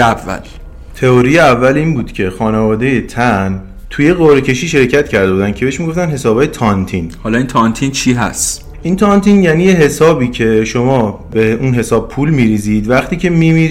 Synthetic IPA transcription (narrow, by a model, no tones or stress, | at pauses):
ævːæ̰l | t̪ʰe̞oɾijeævːæliːnbuːd̪̥cʰe̞xɒːnevɒːd̪e̞je̞t̪ʰæn | t̪ʰuje̞ɣoɾecʰe̞ʃiːʃe̞ɾcʰæt̪cʰæɾd̪e̞buːd̪æn̥cʰeeʃmiɡoft̪ænɦe̞sɒːbɒːjet̪ʰɒnt̪ʰiːnhɒlɒint̪ʰɒnt̪ʰint͡ʃʰiɦæ̰st̪ | int̪ʰɒːnt̪ʰiːnjæːniːjeɦe̞sɒːbiːcʰe̞ʃomɒː | be̞unɦe̞sɒːb̚pʰuːlmiːɾiːziːd̪væχt̪iːcʰe̞mimi